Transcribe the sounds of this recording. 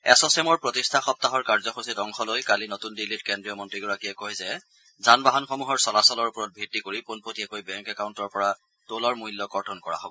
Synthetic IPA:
ɛsɔsɛmɔɹpɹotistʰaxɔp̚taɦɔɹkaɹzɔxositɔŋxɔlojkalinotundilitkɛndɹijɔmɔntɹiɡɔɹakiɛkoɦizɛ | zanbaɦɔnxɔmuɦɔɹsɔlasɔlɔɹupɔɹɔt̚bʱitːikoɹiponpotiɛkojbɛŋkɛkaʊntɔɹpɔɹa | tolɔɹmuilːɔɡɔɹtʰɔnkɔɹa̰ɦobɔ

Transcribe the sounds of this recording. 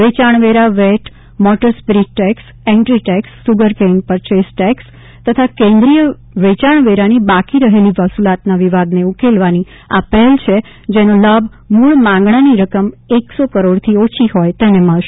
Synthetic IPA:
ʋet͡ʃaɳ̃ʋeɾaʋeʈʰ | mɔʈəɾspɾiʈːɛks | eɳʈɾiʈɛksːuɡəɾkenpəɾt͡ʃesʈɛks | t̪ət̪ʰakẽnd̪ɾijə | ʋet͡ʃaɳ̃ʋeɾanibakiɾəɦeliʋəsulat̪naʋiʋad̪neukelʋani | a̰pəɦɛlt͡ʃʰe | d͡ʒenoləbʱ | muɭmãŋɡɳaniɾəkəmeksokəɾoɽt̪ʰiot͡ʃʰiɦɔjt̪eneməɭʃe

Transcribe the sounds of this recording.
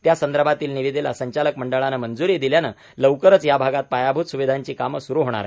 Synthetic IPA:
t̪jasənd̪əɾbʱat̪iːlniʋid̪elasəɲt͡ɕaləkməɳɖəɭanəmənd͡zuɾid̪iljanə | ləwkəɾət͡sjabʱaɡat̪̚pajabʱut̪suʋid̪ʱaɲt͡ɕiːkaməsuɾuɦoɽ̃a̰ɾa̰

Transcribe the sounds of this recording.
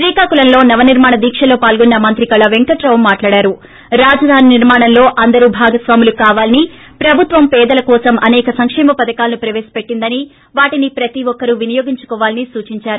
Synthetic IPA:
ʃɾiːkaːkulɐnlo̞ːnɐʋɐniɾmaːɳɐd̪iːkʂɐlo̞ːpaːlɡɔnːɐmɐnt̪ɾikɐlɐʋeŋkɐʈɾɐʋɐmːaːʈlaːɽaːɾu | ɾaːd͡ʒɐd̪ʱaːniniɾmaːɳɐnlo̞ːʔɐnd̪ɐɾubʱaːɡɐsʋaːmulukaːʋaːlɐni | pɾɐbʱut̪ʋɐmpɛːd̪ɐlɐkɔːsɐmʔɐnɛːkɐsɐŋkʂɛːmɐpɐd̪ɐkaːlɐnupɾɐʋeːsɐ̥pe̞ʈːind̪ɐni | ʋaːʈinipɾɐt̪iʋɔkːɐɾuʋinijo̞ːɡiɲt͡ʃu̥kɔːʋaːlɐnisuːt͡ʃiɲt͡ʃaːɾu

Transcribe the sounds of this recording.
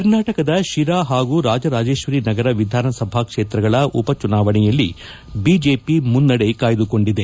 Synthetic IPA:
ɐɾnaːʈɐkɐd̪ɐʃiɾaːɦaːɡuːɾaːd͡ʒɐɾaːd͡ʒe̞ːʃʋɐɾiːnɐɡɐɾɐʋid̪ʱaːnɐsɐbʱaːkʂeːt̪ɾɐɡɐɭɐʔupɐt͡ʃunaːʋɐɳɛjɐlːi | biːd͡ʒeːpimunːɐɽekaːjɐd̪uko̞ɳɖid̪e

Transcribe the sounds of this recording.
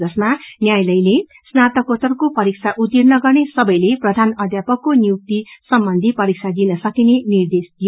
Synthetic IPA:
ʌsmanjajlʌjle | snat̪ʌkot̪ʌrkopʌɾik̚t͡sʰaʔut̪ːirnʌɡʌrnesʌbʌjleprʌd̪ʱanʌd̪ʱjapʌkːonjuk̚t̪isʌmbʌnd̪ʱipʌɾik̚t͡sʰad̪inʌsʌkinenird̪esd̪ijo

